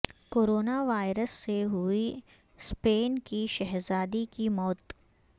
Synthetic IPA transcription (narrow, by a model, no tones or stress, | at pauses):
koːɾoːnaʋaːɪɾəsːeɦʊi | speːnkiʃɛɦzaːd̪ikimɔːt̪